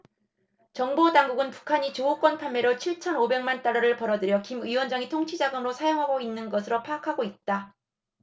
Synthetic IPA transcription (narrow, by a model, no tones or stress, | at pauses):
t͡ɕʌŋbodaŋɡuɡɯnpu̥kʰaɲit͡ɕouk͈wʌnpʰanmːeɾot͡ɕʰiɭt͡ɕʰʌnobe̞ŋmant͈aɭːʌɾɯɭpʌɾʌdɯɾjʌkimiwʌnd͡ʑaŋitʰoŋt͡ɕʰid͡ʑaɡɯmɯɾosʰajoŋɦaɡoinːɯnɡʌsʰɯɾopʰaːkʰaɡoit̚t͈a